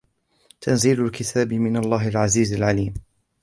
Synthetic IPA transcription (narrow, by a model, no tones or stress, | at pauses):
t̪ʰanziːlʊlkɪt̪ʰaːbɪmɪnalˤːɑːhɪlʕaziːzalʕaliːm